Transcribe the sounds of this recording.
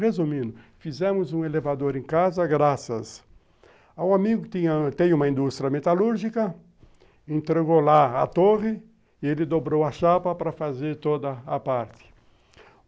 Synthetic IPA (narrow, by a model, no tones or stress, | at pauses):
ʁezumĩnd̪ʊfizẽmʊzũelevad̪oɾẽkazɐɡɾasɐs | awamiɡʊkt̪ĩɲɐt̪ẽj̃ũmɐĩnd̪ust̪ɾijɐmet̪aluɾʒikɐ | ẽnt̪ɾeɡolaɐ̰t̪oʁɪ | ɪelɪd̪obɾowɐʃapɐpɾɐfazeɾt̪od̪ɐːpaɾt̪ɪ̥